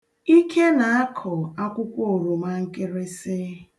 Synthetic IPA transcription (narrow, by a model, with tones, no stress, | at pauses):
i˦kʰe˦na˨a˦kʰɔ˨a˦kʷʊ˦kʷo˨ɾu˨ma˦ŋ̩˦ke˦ɾe˦se˦